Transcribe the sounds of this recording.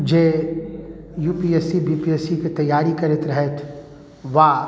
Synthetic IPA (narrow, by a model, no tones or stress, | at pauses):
d͡ʒeː | juːpiːesibiːpiɛsiket̪ɐjːaːɾikɐɾɪt̪ɾɐɦet̪ʰ | ʋaː